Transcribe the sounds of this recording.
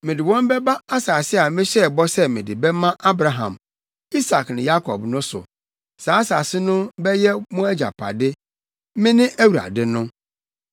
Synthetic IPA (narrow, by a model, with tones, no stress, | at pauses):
mɪ̃˨dɪ˨wɔ̃˦m˦bɛ˦ba˦a˦saː˨sɪ˦a˨mɪ̃˦ɕɛ˦˨bɔ˦sɛ˦mɪ̃˨dɪ˨bɛ˦mã˦ʔa˦bɾa˨ɦã̰˨m | i˦sa˨knɪ̃˨ja˦kʰɔ̰˨bnʊ̃˦sʊ̰˨ | saː˨˦a˦sa˨sɪ˦nʊ̃˦bɛ˦jɛ˦mʊ̃˦æ˦d͡ʑa̰˨pʰa̰˨dɪ˦ | mɪ̃˦nɪ̃˦ʔæ˦wu˨ɾa̰˨dɪ˦nʊ̃˦